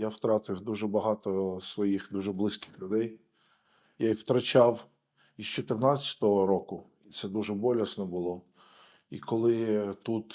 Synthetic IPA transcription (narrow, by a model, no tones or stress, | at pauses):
jawt̪ɾɑt̪ɪwd̪uʒɛbɐɦɑt̪ɔsʋɔjixd̪uʒɛblˠɪsʲkɪ̥xlʲʊd̪ɛj | jajwt̪ɾɐt͡ʃɑw | ist͡ʃɔt̪ɪrnɑt͡sʲːɐ̥t̪ɔɦɔɾɔkʊ | it̪sɛd̪uʒɛbɔlʲɐsnɔbʊlˠɔ | ikɔlˠɪt̪ut̪